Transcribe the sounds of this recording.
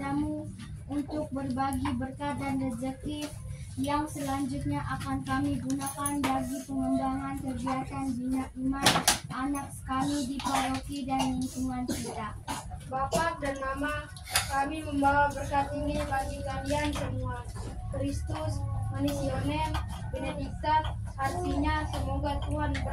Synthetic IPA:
amu | unt̪ʊk̚bərbaɡibərkat̪̚danrɛd͡ʒɛk̚t̪ɪfjaŋsəlaɲd͡ʒʊt̪̚ɲaʔakankamiɡunakanbaɡipəŋəmbaŋankərdiat̪anbiɲakimanʔanak̚sə̥kamidipolokidanuŋt͡ʃuŋansit̪abapadanmama | kamiməmbawabərkat̪iŋibaɡikaliansəmuakɾist̪ʊsmanesionɛl | bɛnɛdik̚t̪at̪̚ | hart̪iɲasəmoɡat̪uɦanb

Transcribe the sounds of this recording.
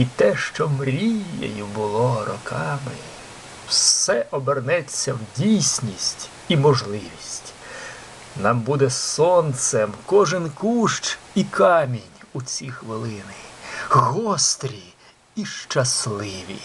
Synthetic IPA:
it̪ɛʃt͡ʃɔmɾʲijḛjʊbʊlˠɔrɔkʰɑmɪ̰ | wsɛʔɔbernɛt͡sʲːɐwdʲijsʲnʲisʲtʲ | imɔʒlˠɪʋʲisʲtʲ | nɑmbud̪ɛsɔnt̪sɛmkɔʒɪnkuʃt͡ʃikʰɑmʲinʲut͡sʲixʋɪlˠɪnɪɣɔst̪ɾʲi | iʃt͡ʃɐslˠɪʋʲḭ

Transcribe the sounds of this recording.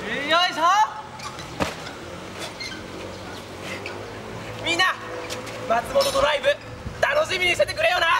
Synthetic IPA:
jaisa | mʲĩnːa | mat͡sɨmo̞t̪o̞d̪o̞ɾaibɯ̟ | t̪ano̞ɕimʲiɲ̟ise̞t̪e̞kɯɾe̞jo̞ːna

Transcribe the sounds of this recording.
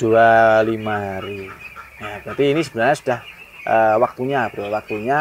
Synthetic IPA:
d̥ualimaɦaɾijab̥ɾat̪iːnisəbənaɾrɲasu̥d̥ahʔəwak̚t̪uɲabəɾowak̚t̪uɲa

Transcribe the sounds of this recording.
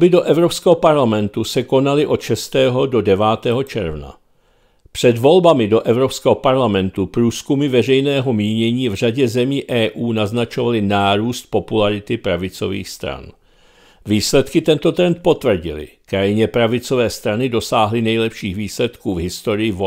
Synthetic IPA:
bɪdo̞ʔɛvɾopskɛːɦopaɾlamɛnt̪usɛko̞nalɪʔo̞t̪ʃɛst̪ɛːɦo̞do̞dɛvaːt̪ɛːɦo̞t͡ʃɛɾvna̰ | pr̝̥ɛdvo̞lbamɪdo̞ʔɛvɾo̞pskɛːɦopaɾlamɛnt̪upɾuːskumɪvɛrɛjnɛːɦo̞miːɲɛɲiːvr̝aɟɛzɛmiːʔɛːʔuːnaznat͡ʃo̞valɪnaːɾuːst̪̚po̞pulaɾɪt̪ɪpɾavɪt͡so̞̰vḭːxst̪ɾa̰n | viːslɛt̪kɪt̪ɛnt̪o̞t̪ɾɛnt̪̚po̞t̪vr̩ɟɪ̰lɪ̰kɾajɪɲɛpɾavɪt͡so̞vɛːst̪ɾanɪdo̞saːɦlɪnɛjlɛpʃiːɣviːslɛt̪kuːvɦɪst̪o̞ɾɪjɪvo

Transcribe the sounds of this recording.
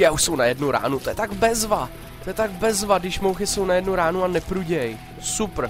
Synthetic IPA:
jauʃsownajɛdnuɾa̰ːnut̪ojɛt̪aɡbɛzva | t̪ojɛt̪aɡ̚bɛzvadɪʃmowxɪso̞wnajɛdnuɾaːnuanɛpɾuɟɛj | sup

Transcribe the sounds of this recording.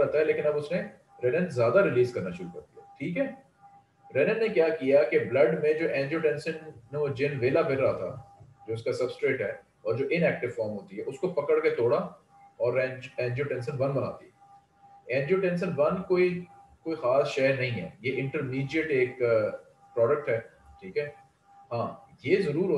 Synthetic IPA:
ɛɦt̪aɦɛleːkɪnɐbʊsnẽ | ɾɛːnənzjaːd̪aɾɪliːzkɐɾnaʃʊɾukɐɾt̪iɦɛ̰ːʈʰiːkɦɛː | ɾɛːnənːekjaːkijakeblɐɖmẽd͡ʒoːʔɛ̃ːnd͡ʒoːʈɛ̃ːnsənːod͡ʒɪnʋeːlabʱɪlɾɐɦat̪ʰa̰d͡ʒoːɪskasɐbsʈɾeːʈɦɛː | ɔːɾd͡ʒoːʔɪnɛːk̚ʈɪʋfɔːɾmɦoːt̪iɦɛʔʊskopɐkəɽket̪oːɽa | ɔːɾɛ̃ːɛ̃ːɲd͡ʒoʈɛ̃ːnsənʋɐnbɐna̰ːt̪ḭɛ | ɛ̃ːɲd͡ʒoːʈɛ̃ːns̬ənʋɐnkoːikoːixaːsʃɛːɾnɐɦĩɦɛ̰ːjeʔɪ̃ɳʈəɾmiːɖijəʈeːk | pɾɔːɖək̚ʈɦɛː | ʈʰiːkɦɛː | ɦãːjezɐɾuːɾɦː

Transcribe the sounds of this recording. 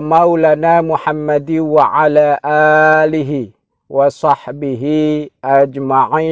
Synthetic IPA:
mawlanaːmʊħamːad̪iwaʕalaːʔaːlɪɦɪ | wɑsˤɑħbɪɦɪʔad͡ʒmaʕiː

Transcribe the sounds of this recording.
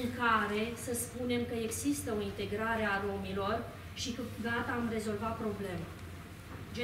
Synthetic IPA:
ŋkaɾe̞səspune̞mkəe̞ɡzist̪əo̞int̪e̞ɡɾaɾe̞aɾo̞milo̞r | ʃikɨɡat̪əːmre̞zo̞lvat̪̚pɾo̞ble̞ma | d͡ʒe

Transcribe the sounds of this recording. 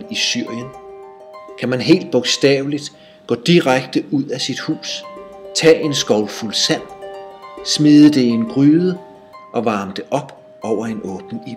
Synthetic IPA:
isyɐ̰jən | kʰæmænɦe̝̰ːld̥̚b̥ɔ̽ɡ̥sd̥ɛ̰ːʊlid̥ | ɡ̥ɔ̰̽ːd̥iʁaɡ̥̚d̥əʔuð̰ˠæsid̥hṵːst͡sʰɛ̰ːʔe̝nsɡ̥ɒʊlfulsæn̰ | smiːðˠəd̥e̝ienɡ̥ʁyːðˠə | ʔɒ̽ʋɑ̈ːmd̥e̝ʔɒ̽b̥ | ʔɒʊ̰ɐe̝nɔ̽ːb̥n̩i

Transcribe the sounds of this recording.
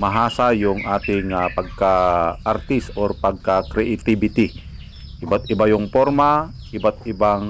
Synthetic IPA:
maɦasajuŋat̪iŋapaɡkaːrt̪isɔrpaɡ̚kakɾɛʔit̪ibit̪i | ibat̪̚ibajuŋpɔrma | ibat̪̚ibaŋ

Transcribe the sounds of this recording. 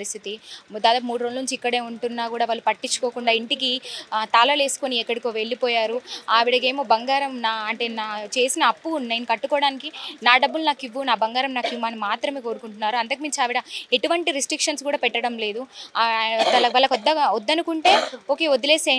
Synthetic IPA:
ɾist̪ʰit̪id̪aːd̪aːp̬ɐmuːɽuɾonlɐnuɲt͡ʃiikːɐɽe̞ːuɳʈunːaːkuːɽaːʋaːɭːupɐʈːit͡ʃːu̥koːkuɳɖaːiɳʈikit̪aːlɐle̞ːsu̥ko̞niɛkːɐɽikoʋe̞ɭːipɔːjaːɾuaʋiɽɐke̞ːmo̞ːbɐŋɡaːɾɐmnaːɐɳʈe̞ːnaːt͡ʃe̞ːsinɐːpːunɐjnikɐʈːukɔːɽaːnikinaːɖɐbːulnaːkiʋːunaːbɐŋɡaːɾɐmnaːkiʋːaːnimaːt̪ɾɐme̞ːkoːɾukuɳʈunːaːɾuɐnt̪ɐk̬imiɲt͡ʃiaːʋiɽɐe̞ʈuʋɐɳʈiɾisʈɾikʂɐnskuːɽaːpɛʈːɐɽɐmle̞ːd̪u | ɐlɐʋɐlːɐkɔd̪ːɐod̪ːɐnukuɳʈe̞ːoːke̞ːod̪ile̞ːse

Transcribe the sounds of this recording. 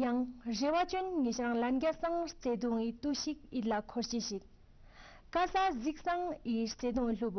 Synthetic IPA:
jaŋrewat͡ɕonŋeɕraŋlaɦɡarsaŋht͡seɦd̪oŋwit̪oɕik̚it̚lakʰorht͡ɕeɕək̚ | kasʰazik̚saŋʔiht͡sed̪oŋɬop̚ːo

